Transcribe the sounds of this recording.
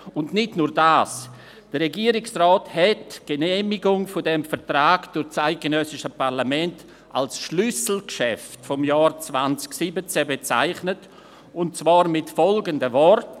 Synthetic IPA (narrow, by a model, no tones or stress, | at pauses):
ʊndnɪdnuːɾdaːs | d̥əʁeɡiːəɾɪksrɔːthɛtɡ̥enɛːmɪɡʊŋfʊdɛmfɛtɾaːɡd̥ʊɾt͡saɪt̚ɡ̥ənœsɪʃəpaʁlamɛnt | ʔa̰lsʃlʏsl̩kʃɛftfɔmjaːɾt͡svant͡sksibət͡sɛbet͡sa̰ɪχnət | ʊntt͡svɑːɾmɪtfɔlɡəndəvɔrt